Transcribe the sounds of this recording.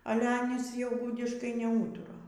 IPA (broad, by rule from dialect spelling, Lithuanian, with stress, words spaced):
ˈɑːlʲɛ ˈɑːnʲiːs jɛʊ ˈɡʊdʲɪʃkɐɪ nʲɛˈuːtʊrɐ